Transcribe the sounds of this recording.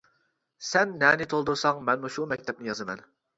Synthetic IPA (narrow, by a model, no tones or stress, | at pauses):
sɛnːɛnɪt̪ʰolˠd̪uɾsɑŋmɛnmuʃumɛkʲt̪ʰɛp̚nɪjɑzɨmɛn